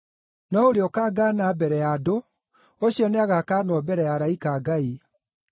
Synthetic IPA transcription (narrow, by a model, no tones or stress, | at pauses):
nɔoɾeɔkaːɡaːnabɛɾɛjado | oɕiɔneaɣakaːnwɔbɛɾɛjaɾaikaːɡai